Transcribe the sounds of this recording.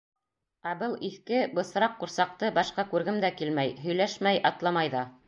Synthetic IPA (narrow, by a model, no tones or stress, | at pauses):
æbɤlˠiθkɘbɤ̆sɾɑqːuɾsɑq̚t̪ɤbɑʃqɑkʉɾɡɘmd̪ækilmæjɦɵ̆jlæʃmæjʔɑt̪lˠɑmɑjðɑ